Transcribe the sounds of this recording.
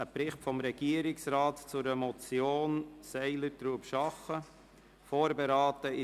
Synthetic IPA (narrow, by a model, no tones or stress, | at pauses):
əpɾɪχtfɔmɾɛɡ̥iəɾɪksɾɑːtt͡sʊɾəmɔt͡sjoːnsɛɪlətɾuːpʃɑχə | foːɾbeɾɑːtəɪ